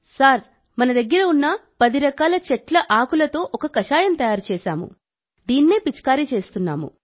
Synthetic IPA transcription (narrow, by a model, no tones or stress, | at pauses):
saːɾ | mɐnɐd̪ɐɡːɐɾɐunːɐpɐd̪iɾɐkaːlɐt͡ʃɛʈlɐʔaːkulɐt̪o̞ːʔɔkɐkɐʃaːjɐmt̪ɐjaːɾut͡ʃɛːʃaːmṵ | d̪iːnːeːpit͡ʃkaːɾit͡ʃe̞ːst̪unːa̰ːmṵ